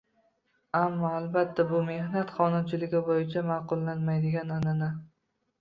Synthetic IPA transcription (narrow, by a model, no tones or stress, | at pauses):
amːɒalbat̪ʰːabʊme̞hnat̪χɒnʊmt͡ʃʰɪlɪɡʲɪbojɪt͡ʃʰamaːqʊlˠːanmajd̪ɪɡʲanananɪ